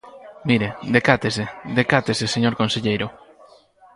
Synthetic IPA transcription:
miɾed̪ekat̪esed̪ekat̪eseseɲoɾkõnseʎejɾʊ

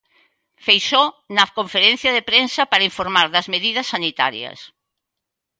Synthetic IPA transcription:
fejso | nɐkoɱfeɾẽn̟θjɐðepɾensɐpaɾɐiɱfoɾmaɾðɐzmeðiðɐsːanit̪a̰ɾjɐ̰s

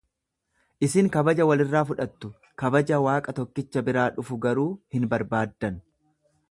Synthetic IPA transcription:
ʔɪsɪŋkɐbɐd͡ʒɐwɐlɪrːaːfʊᶑɐt̪ːʊ | kɐbɐd͡ʒɐwaːkʼɐt̪ɔkːɪt͡ʃːɐbɪɾaːᶑʊfʊɡɐɾuːhɪnbɐɾbaːd̪ːɐn

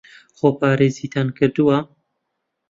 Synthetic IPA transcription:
xoːpʰɑːɾeːziːt̪ʰankʰɨɾd̪uwa

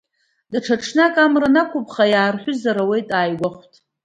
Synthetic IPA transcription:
daʈ͡ʂʰaʈ͡ʂʰnakʼamranakʷʰʊpʰʼχajaːrħʷᶣʊzaɾawe̞jtʼaːjɡʷaχʷtʰʼ

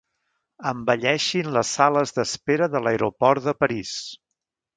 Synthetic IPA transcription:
əmbəʎɛʃinləsaləzðəspeɾəðələeɾupɔɾðəpəɾis

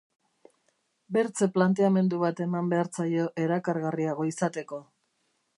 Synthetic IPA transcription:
be̞ɾt͡se̞plant̪e̞ame̞nd̪uβat̪e̞mambe̞aɾt͡sajo̞ʔe̞ɾakaɾɣariaɣ̞o̞isat̪e̞ko̞

